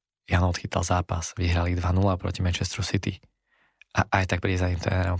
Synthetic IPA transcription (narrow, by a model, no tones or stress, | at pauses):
janɔt̪xit̪ʰa̰lˠzaːpaz̥ʋiɦɾalid̪ʋanulaʊpɾɔ̰cimɛnt͡ʃɛst̪ɾusit̪ḭ | ʔaʔajt̪ak̚pɾiɛzaɲimt̪ɾɛ̰ːnɛɾɔm